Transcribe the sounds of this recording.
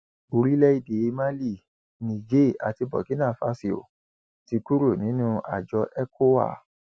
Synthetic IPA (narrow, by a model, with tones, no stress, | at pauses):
o˧ɾi˦lɛ˦i˦˨de˨i˧mã˦li˦˨ | nĩ˨d͡ʒe˦˨a˨ti˧bɔ̰˨ki˦nã˦˨fa̰˨˦si˨o̰˨ | ti˧ku˦ɾo˦˨nĩ˨˦nũ˦a̰˨d͡ʒɔ˧˦ʔɛ˦kʰo˦wa̰˦˨